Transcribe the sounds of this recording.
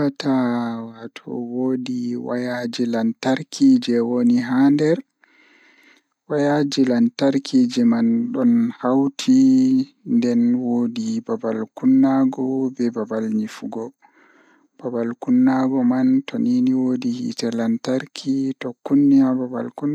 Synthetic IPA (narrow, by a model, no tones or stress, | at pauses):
atawatʰɔ̰woːdiwa̰jad͡ʒilantaɾkʰiːd͡ʒɛwoniɦandɛɾ | wajad͡ʒilantaɾkʰid͡ʒɛmanɗɔnhawtʰi | ndɛnwoːdibabalkunːaɡɔbɛbabalɲifuɡɔ | b̥abalkunːaɡɔmantoniniwoːdihḭtɛlantaɾkʰitɔkːunːiababa̰lkun